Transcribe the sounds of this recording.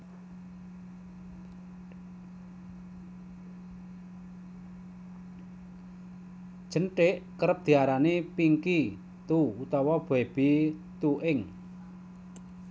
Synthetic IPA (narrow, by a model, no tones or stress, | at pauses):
d̥ʒ̥ə̤nʈeʔkəɾəp̚d̪̥i̤aɾanepiŋki | t̪uut̪ɔwab̥ɛb̥i | t̪uʔɪŋ